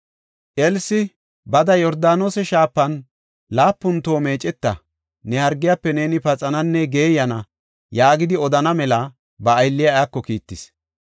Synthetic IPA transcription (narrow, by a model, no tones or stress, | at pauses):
ʔɛlsɪ | bɐd̪ɐjɔɾd̪aːno̞ːsɛʃaːpːɐn | laːpːʊnt̪o̞ːme̞ːt͡ʃʼɛt̪ːɐ̰ | nɛhɐɾɡːɪjapːɛne̞ːnɪpɐt͡sʼɐnɐnːɛɡe̞ːjɐnɐ | jaːɡɪd̪ɪɔd̪ɐnɐmɛlɐ | bɐːjlːɪjajakːɔkiːt̪ːɪs